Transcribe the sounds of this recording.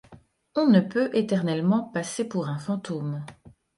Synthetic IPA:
ɔ̃nəpøʔet̪ɛʁnɛlmɑ̃pasepuʁɛ̃fɑ̃t̪om

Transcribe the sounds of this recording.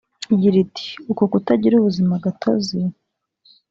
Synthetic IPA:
iɟiɾiti̥ukokutaɟiɾuβuzimaɡatʰozi

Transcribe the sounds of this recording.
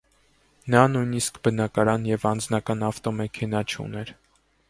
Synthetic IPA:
nɑnujniskbənɑkɑɾɑnjɛvɑnd͡znɑkɑnɑft̪ɔmɛkʰɛn̪ɑt͡ʃʰṵnɛɾ

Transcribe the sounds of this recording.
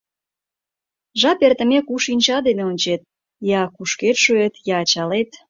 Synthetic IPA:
ʒɑpert̪ə̆mekuʃinʲt͡ɕɑd̪eneonʲt͡ɕet̪̚ | jɑkuʃket̪ʃuet̪jɑːt͡ɕɑlet̪

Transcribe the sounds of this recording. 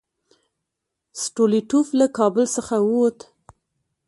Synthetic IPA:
sʈoliʈuflakɑbəlsəxawt̪

